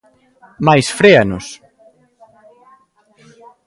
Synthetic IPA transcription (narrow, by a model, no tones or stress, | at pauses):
majsfɾeanʊs